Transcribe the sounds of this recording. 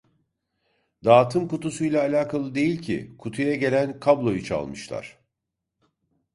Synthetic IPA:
d̪aːt̪ʰɯmkut̪usujlʲˠaːlʲaːkʰalˠɯd̪e̞jilʲcʰḭkʰut̪ʰujaɟe̞lʲænkʰablˠo̞jut͡ʃʰa̰lˠmɯʃlˠa̰ɾ̝̥

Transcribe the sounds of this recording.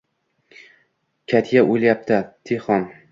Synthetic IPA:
kʲʰat̪ʰjaʔojljap̚t̪ʰat̪ʰeχɒn

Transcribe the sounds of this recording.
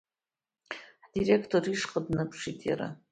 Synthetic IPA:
ħdirekʰtʰoriʂqʼədnɨpʰʂitʼja̰ɾa̰

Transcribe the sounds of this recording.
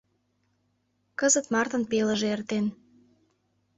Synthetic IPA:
kəzət̪mɑrt̪ənpelə̆ʒeert̪en

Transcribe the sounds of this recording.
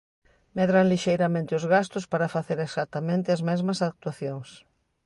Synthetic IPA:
meðɾanliʃejɾamẽnt̪ɪʊzɣast̪ʊspaɾɐfaθeɾesat̪amẽnt̪ɪɐzmɛzmɐsak̚t̪waθjoŋs

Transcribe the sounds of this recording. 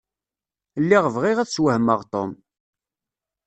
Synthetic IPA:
lːiʁvʁɪʁæθswəhməʁt̪ˤo̰m

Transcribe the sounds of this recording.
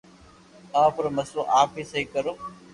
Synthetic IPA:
t̪ãːpʊɾməsoːʔaːpʰiːsəiːkəɾoː

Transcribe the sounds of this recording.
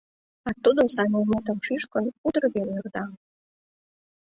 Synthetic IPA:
ɑt̪ːud̪osɑnʲemut̪ə̆mʃyʃkə̆nud̪ərɡenyrd̪ɑ

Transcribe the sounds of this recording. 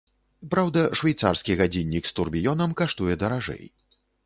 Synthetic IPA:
pɾawd̪ɐʂvʲajt̪sa̰rskʲiɣad͡zʲinʲːikst̪urbʲijɔnɐmkaʂt̪ujɛd̪ɐɾaʐɛ̰j

